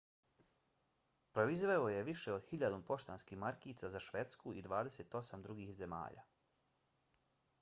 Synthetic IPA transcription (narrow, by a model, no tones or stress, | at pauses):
pɾo̞izʋeoje̞ʋiʃeo̞d̪hiʎad̪ompo̞ʃt̪anskiːmaɾkiːt̪sazaʃʋet̪skuid̪ʋaːd̪eseːt̪o̞samd̪ɾuɡihze̞ma̰ːʎa̰